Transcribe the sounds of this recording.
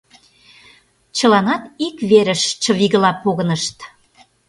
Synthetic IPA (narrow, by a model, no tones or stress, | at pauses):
t͡ɕə̆lɑnɑt̪ikβeɾəʃt͡ɕə̆βiɣəlɑpoɣə̆nəʃt̪